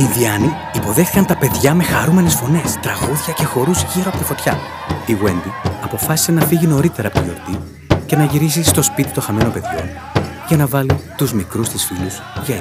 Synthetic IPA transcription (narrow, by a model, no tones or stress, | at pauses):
inðiɐniːpo̞ðe̞xθikɐnt̪ɐpe̞ðʝɐme̞xɐɾume̞ne̞sfo̞ne̞st̪ɾɐɣuðʝɐce̞xo̞ɾuzʝiɾo̞ɐpot̪ifo̞t̪çɐ | iɣwe̞nd̪iɐpo̞fɐsi̥se̞nɐfiʝino̞ɾit̪eɾɐpot̪io̞̰ɾt̪i | ce̞nɐʝiɾisist̪o̞spit̪it̪o̞xɐme̞nope̞ðʝo̞̰n | ʝɐnɐvɐlint̪uzmikɾust̪isfilus | ʝe